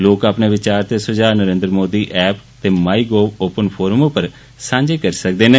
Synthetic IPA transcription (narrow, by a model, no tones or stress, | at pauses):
loːkaːpneːʋɪt͡ʃaːɾt̪eːsʊd͡ʒaːnəɾẽːnd̪ɾmoːd̪iːʔɛːpt̪eːmaːiːɡoːoːpənpʰoːɾəmopəɾ | sãːɲd͡ʒeːkəɾisək̚d̪eːnẽː